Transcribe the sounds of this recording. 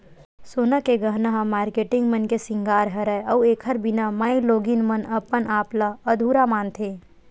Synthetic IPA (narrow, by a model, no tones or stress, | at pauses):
soːnakeɡəɦnaɦamaːɾkeːʈɪ̃ŋɡmənkesɪ̃ŋɡaːɾɦɐɾɛɐueːkʰəɾbɪnamaːĩloːɡinmənɐpːənʔaːplaəd̪ʱuːɾamaːnt̪ʰeː